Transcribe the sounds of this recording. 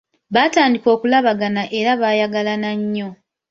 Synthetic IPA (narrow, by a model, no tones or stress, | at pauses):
βaːtaːndiko̞ːkulaβaɡanaʔe̞ɾaβaːjaɡalanaɲːo̞